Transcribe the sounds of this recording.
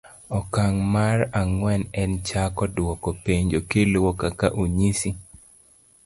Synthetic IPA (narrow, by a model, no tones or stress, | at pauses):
ɔkaŋmaraŋwɛnɛnt͡ʃakɔdwɔkɔpeɲd͡ʒokelwɔkakaʔuɲisi